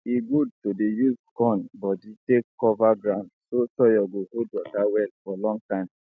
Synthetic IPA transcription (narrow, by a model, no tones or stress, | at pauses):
iɡud̚todejuzkɔ̃nbɔditekːɔvaɡɾãʊ̃ndsosɔjɔɡohod̚wɔkawɛlfɔlɔ̃ŋtãɪ̃m